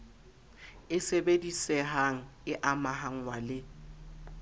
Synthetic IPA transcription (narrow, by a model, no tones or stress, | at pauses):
ɪsebedisɛɦaŋ̩ɪʔamaɦaŋ̩walɪ